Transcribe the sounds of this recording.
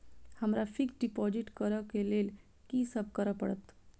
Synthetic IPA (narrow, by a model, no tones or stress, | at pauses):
həmɾafikɖipɔd͡ʑiʈkəɾəkelel | kisəb̚kəɾəpəɽət̪